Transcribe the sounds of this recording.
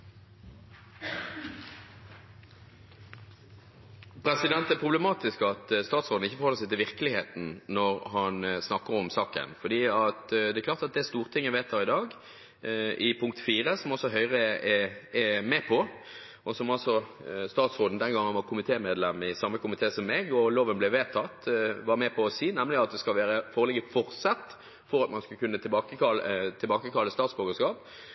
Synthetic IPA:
pʰɾɛsɪd̪ɛnt̪æpʰʁʊbləmɑːt̪ɪskɑt̪st̪ɑːt̪sʁoːd̪n̩ɪçːəfɔʁhɔlːəsæɪt̪ɪlʋɪʁkəlɪheːt̪n̩nɔʁhɑnsnɑkːəʁɔmsɑːkə̰nfɔd̪iːɑt̪d̪ɛklɑːʁt̪ɑt̪̚d̪ɛæst̪uːʁət̪ʰɪŋːɛʋeɪt̪d̪ɑɪd̪ɑːɡ | ʔɪpʰʊŋk̚t̪fiːʁəsɔmɔsɔɦœʏʁəɛɛmɛpʰɔ | ɔsɔmɑlsɔst̪ɑːt̪sʁoːd̪n̩d̪ɛnɡɑŋːənʋɑʁkʰʊmɪt̪ʰeːmeːd̪lɛmɪsɑmːəkʊmɪt̪ʰeːsɔmːɛɡɔloːʋənblɛʋeːt̪ʰɑt̪ːʋɑʁmɛpʰɔːsiːnɛmlɪɑt̪̚d̪ɛskɑlʋæːɾəfoːʁəlɛɡəfɔʁt̪sɑt̪ː | fɔɾɑt̪mɑnskʉkʰʉnːət̪ʰɪbɑːkəɑlət̪ʰɪlbɑːkəkʰɑlːəst̪ɑːt̪sboːɡəskɑːp

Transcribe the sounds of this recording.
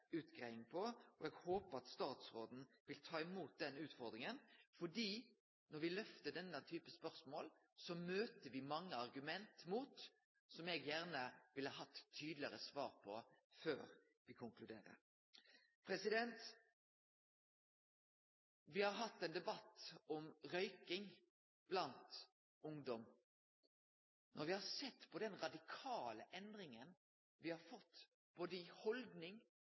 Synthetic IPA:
ʉːt̪ɡɾeɪɪŋpʰɔɔɛɡhoːpəɑt̪st̪ɑːt̪sʁoːd̪n̩ʋɪlt̪ʰɑːɪmuːt̪̚d̪ɛnʉːt̪fɔʁd̪ʁɪŋənfɔdiː | nɔʁʋɪlœft̪əɖ̪ɛnːət̪ʰyːpəspœʁsmoːl | sɔmøːt̪əʋɪmɑŋːəɑʁɡʉmɛnt̪muːt̪ | sɔmɛɡjæʁnəʋɪlhɑɦɑt̪ʰːyːd̪lɪəɾəsʋɑːɾpʰɔføːɾ | ʋɪkʰʊŋklʉd̪eːɾə̰ɾ | pʰʁɛsɪd̪ɛnt̪ | ʋɪhɑʁɦɑt̪ːɛːnd̪ɛbɑt̪ːɔmʁœʏkɪŋ | b̥lɑnt̪ | ʊŋd̪ɔm | nʔɔɾʋɪhɑsɛt̪ːpʰɔd̪ɛnʁɑd̪ɪkʰɑːləʔɛnd̪ʁɪŋən | ʋɪhɑɾfɔt̪ː | b̥oːd̪əɪhɔld̪nɪŋ

